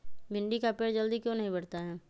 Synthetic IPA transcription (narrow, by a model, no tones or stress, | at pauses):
bɪ̃ɳɖikapeːɽd͡ʒɐld̪ikjõːnɐɦĩbɐɽ̤t̪aɦɛː